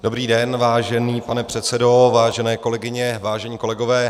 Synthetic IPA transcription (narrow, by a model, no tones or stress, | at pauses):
do̞bɾiːdɛnvaːʒɛniːpanɛpr̥ɛt̪t͡sɛdo̞vaːʒɛnɛːko̞lɛɡɪɲɛvaːʒɛɲiːko̞lɛɡovɛː